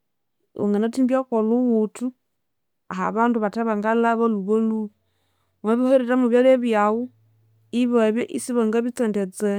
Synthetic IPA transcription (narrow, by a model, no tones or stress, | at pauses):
o̰ŋɡanatimbjakoluwutu | a̰ha̰βanduβataβaŋɡalaβaluβolu | maβihoiɾeɾamuβjaleβjawu | iβaβjeʔisiβaŋɡaβit͡sɛntet͡se